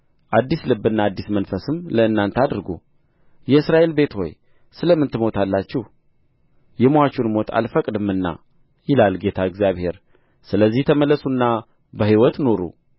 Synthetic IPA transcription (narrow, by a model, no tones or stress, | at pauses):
ʔad̪ːislɨbːɨnːaːd̪ːismənfəsɨmləɨnːant̪ʰad̪ɾɡṵ | jɛɨsɾaʔe̞lbe̞t̪ho̞̰j | sɨləmːɨnt̪ɨmo̞t̪ʰalːat͡ʃːɛh | jɛmoat͡ʃːunmo̞t̪ʰa̰lfəkʼd̪ɨmɨnːa̰ | jɪlalɡe̞t̪ʰaɨɡzijaβhe̞ɾ | sɨləzːiht̪ʰəməlːəsunːa | bəɦiwɔt̪no̞ɾṵ